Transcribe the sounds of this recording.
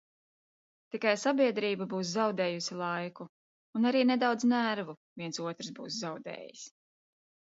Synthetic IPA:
t̪ikajsabʲiɛd̪ɾiːbabuːszawd̪ɛːjusilˠajkuː | naɾiːned̪awd̪znæɾvuviɛnsuɔt̪ɾsbuːszawd̪ɛ̰ːjḭs

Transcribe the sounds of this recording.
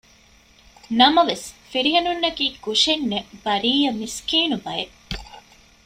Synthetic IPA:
nɐmɐʋesfiɾiɦɐnunːɐkiːkuʂenːebɐɾiːjɐmiskiːnubɐje

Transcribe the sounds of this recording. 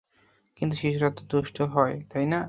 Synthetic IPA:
kint̪̬uʃiʃuɾat̪ːod̪uʃʈʰoɦɔet̪ajna

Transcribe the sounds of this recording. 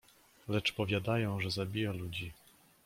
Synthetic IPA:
lɛt͡ʂpɔvʲjad̪ajɔ̃w̃ʐɛzabʲijalud͡ʑi

